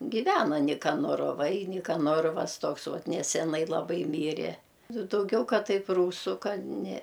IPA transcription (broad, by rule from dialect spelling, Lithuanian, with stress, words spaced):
ɡʲɪˈʋʲæːnɐ nʲɪkɐnoːroːˈʋɐɪ nʲɪkɐˈnoːroːʋɐs ˈtoːks ˈʋɐt nʲɛsʲɛˈnɐɪ lˠɐˈbɐɪ ˈmʲiːrʲɛ ˈnʊ dɐʊˈɡʲɛʊ ˈkɐt ˈtɐɪp ˈruːsʊ ˈkɐt nʲɛ